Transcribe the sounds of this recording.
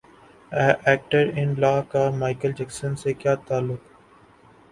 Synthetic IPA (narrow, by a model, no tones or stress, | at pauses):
ɛːʔɛːk̚ʈəɾɪ̃nlaːkamaːɪkəld͡ʒɛːksənsekjaːt̪aːlːʊk